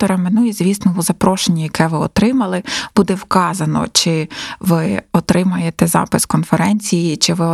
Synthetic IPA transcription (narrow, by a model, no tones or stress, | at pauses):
ɔɾɐmenujɛzʲʋʲisnɔɦʊzɐpɾɔʃenʲːɐjɐkɛʋɪɔ̰t̪ɾɪmɐlˠɪb̥ud̪ɛwkɑzɐnɔ̰t͡ʃɪʋɪɔt̪ɾʔɪmɐjet̪ɛzɑ̰pɪskɔnfeɾɛnʲt͡sʲijit͡ʃɪʋɪ